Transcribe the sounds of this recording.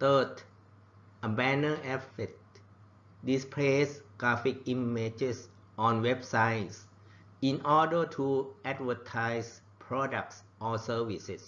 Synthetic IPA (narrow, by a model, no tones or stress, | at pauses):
t̪əd | ʔəbɛnəʔɛfet̚ | dispʰlesɡ̥ɹafik̚ʔimed͡ʒes | ʔɔnwep̚sajs | ʔinʔɔdətʰuʔɛt̚wətʰajs | pʰɹɔdak̚s | ʔɔsəwises